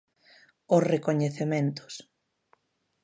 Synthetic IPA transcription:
ʊsrekoɲeθemẽnt̪ʊ̥s

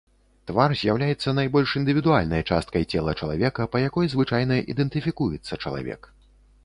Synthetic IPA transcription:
t̪varzʲjawlʲajɛt̪sːɐnajbɔlʲʂind̪ɨvʲid̪ualʲnɐjt͡ʂa̰st̪̚kɐjt͡sʲɛlˠɐt͡ʂɐlˠa̰vʲɛkɐpɐjakɔjzvɨt͡ʂajnɐʔḭd̪ɛnt̪ɨfʲikujɛt̪sːɐt͡ʂɐlˠa̰vʲɛ̰k

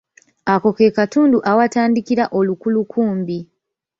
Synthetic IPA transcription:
ako̞ke̞katuːnduʔawataːndikiɾaʔo̞lukulukʰuːmbi

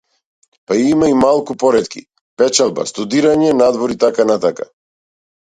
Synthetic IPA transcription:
paiimaimalˠkupɔɾɛt̪kḭ | pɛt͡ʃalˠba̰st̪ud̪iɾaɲɛnad̪vɔɾit̪akanat̪aka̰

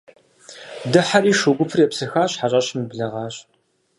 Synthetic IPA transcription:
dɨħariːʂuɡʷʊpʰɨrjɛpsɨxaːɕħaɕʼɐɕmɨbɮɐʁɑːɕ

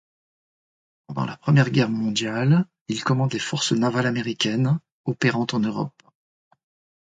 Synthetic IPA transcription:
pɑ̰̃d̪ɑ̰̃lapχəmjɛʁɡʲɛʁmɔ̃d̪jal | ilkɔmɑ̃d̪lefɔʁsnavalameʁikʲɛn | ɔpeʁɑ̃t̪ɑ̃nøʁɔ̰p

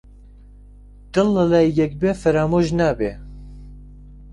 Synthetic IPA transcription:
d̪̥ɨlːəlajjɛk̚beːfɛɾaːmoʒnaːbe

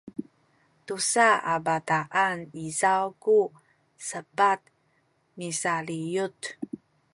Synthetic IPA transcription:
tusaabataʔanizawku | səbat̪̚ | misalijut

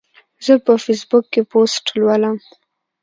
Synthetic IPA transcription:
zəpəfesbʊkːeposʈlwaləm

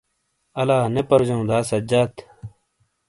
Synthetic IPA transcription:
ɐlaːnepɐɾd͡ʑɐũd̪aːsɐd͡ʑat̪

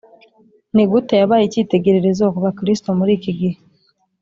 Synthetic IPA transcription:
niɡutejaβaːjiciːte̞ɟe̞ɾe̞ɾe̞zokuβakiɾistomuɾiːkiɡihe

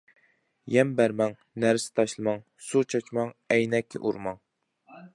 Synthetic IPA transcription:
jɛmbæɾmɛŋ | næɾsɪ̥t̪ʰɑʃlˠɨmɑŋ | sut͡ʃʰɑt͡ʃmɑŋɛjnɛkʲʰːḭʔuɾmɑŋ

